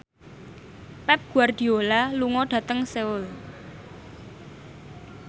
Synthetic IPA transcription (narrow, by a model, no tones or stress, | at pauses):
pɛp̚ɡ̥ṳard̪̥i̤olaluŋɔɖ̥ä̤t̪əŋseʊl